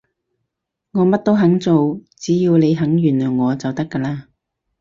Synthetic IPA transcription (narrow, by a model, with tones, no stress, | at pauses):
ŋɔː˨˧mɐ˥t̚t̪o˥wɦɐ˨˥ŋt͡so˨wt͡siː˨˥jiː˧wle˨˧jɦɐ˨˥ŋjyː˨˩nlœː˨˩jŋɔː˨˧t͡sɐ˨wt̪ɐ˥kːɐː˧laː˥